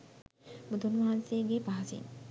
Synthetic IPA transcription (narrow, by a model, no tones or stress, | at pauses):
mud̪unʋaɦanseɡepaɦasḭn